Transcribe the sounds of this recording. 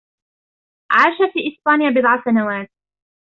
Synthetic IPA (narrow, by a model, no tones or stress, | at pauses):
ʕaːʃafiːʔɪsbaːnɪjabɪd̪ˤʕasanawaːt̪̚